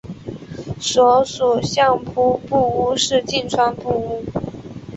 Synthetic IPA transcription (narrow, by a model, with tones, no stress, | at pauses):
sɔ˧˥su˨˩ɕjɑ˥˧ŋpʰu˥pu˥˩u˥ʂɻ̩˥˧t͡ɕi˥˩nʈ͡ʂʰwa˥npu˥˩u˥